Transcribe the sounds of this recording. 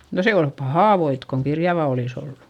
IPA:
no se ol pɑhɑˑ ʋoit koŋ kirjɑʋɑ olis olːu

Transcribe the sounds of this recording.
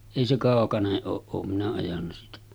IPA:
eˑi se kɑˑokɑneʔ ʔoːʔ ʔoːm minæ ɑjɑnːɑ siːtæ

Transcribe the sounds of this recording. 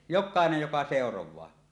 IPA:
jokˑɑenej jokɑ seˑorowˑɑː

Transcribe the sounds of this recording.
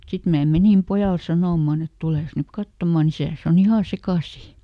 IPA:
sit mæː menim pojɑl sɑnoˑmːɑn et tuleˑs nyk kɑtːomɑn isæˑs on ihɑˑ sekɑˑsiˑ

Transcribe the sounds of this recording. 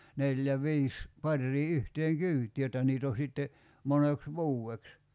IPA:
neljæ ʋiːs pɑrːiː yhteːŋ kyːtˑi jotˑɑ niːt o sitːe moneks ʋuːeks

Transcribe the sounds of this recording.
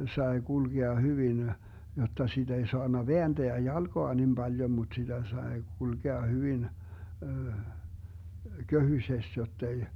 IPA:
sɑe ɡ̊ulɡ̊eɑ hyʋin jotːɑ sid̥ ei soɑnːɑ ʋeænd̥eæ jɑlɡ̊oɑ nim bɑljom mut sid̥æ sɑe ɡ̊ulɡ̊eɑ hyʋin køhysest jotːei

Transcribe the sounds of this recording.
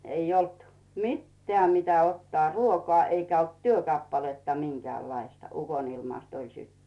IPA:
eij olt mitːĕæ mitæ otːŏɑˑ ruokŏɑˑ eikæ olt tyøkɑpːɑletːɑ miŋkĕæˑlːɑistɑ ukonilmɑst olʲ sytːynt

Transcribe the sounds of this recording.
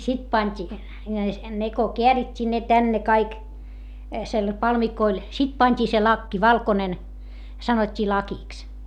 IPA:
sit pɑnʲtʲi ne ko keæritʲːiː ne tænːe kɑik sel pɑlmikoil sit pɑnʲtʲiː se lɑkːi ʋɑlkonen sɑnotʲːiː lɑkiks

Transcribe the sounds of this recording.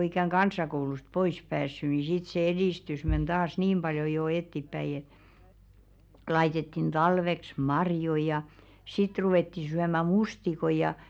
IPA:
ikæŋ kɑnsˑɑkoulust pois pæːsːy ni sit se ediˑstys men d̥ɑːs niːm b̥ɑljo jo etːipːæi lɑitetːin d̥ɑlʋeks mɑrjoĭ jɑ sit ruweˑtːi syæmæ mustikoi jɑ

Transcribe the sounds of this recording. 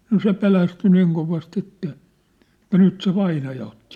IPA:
no se pelæsty niːŋ koʋɑst etːæ etæ nyt se ʋɑinɑjɑ otːi

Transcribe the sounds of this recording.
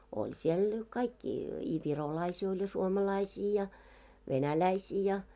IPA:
olʲ siel kɑikːi i ʋirolɑisiː olʲ jɑ suomɑlɑisiː jɑ ʋenælæisiː jɑ

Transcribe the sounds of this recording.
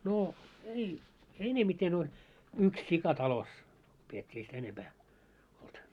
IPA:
no ei enemiten olʲ yks sikɑ tɑlos pietʲːiː ei sitæ enempæː olt

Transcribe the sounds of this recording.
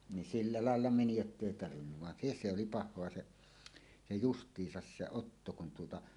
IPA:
nin silːɑ lɑˑelːɑ meni jotːeˑi tɑrʋinːuʋ ʋɑn se sˑe oli pɑhˑoɑ se se justˑiːsɑs se otːo kun tuotɑ

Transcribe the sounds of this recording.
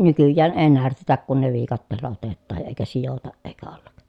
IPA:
nykyjːæːn eː nærtetæk kun ne ʋiːkɑtːeːlːɑ otetːɑːj jɑ eːkæ sijotɑʔ ʔeːkæ olːɑk

